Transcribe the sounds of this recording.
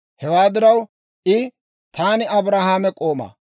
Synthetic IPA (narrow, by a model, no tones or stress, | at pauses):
hɛwaːd̪ɪɾɐw | ʔɪ | t̪aːnɪɐbɾaːhaːmɛkʼo̞ːmɐ̰